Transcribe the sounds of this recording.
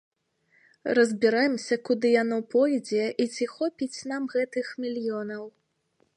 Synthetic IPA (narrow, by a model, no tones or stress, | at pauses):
rɐzʲbʲiɾajɛmsʲɐkud̪ɨjanɔpɔjd͡zʲɛʔit͡sʲixɔpʲit͡sʲn̪amɣɛt̪ɨxmʲilʲjɔnɐw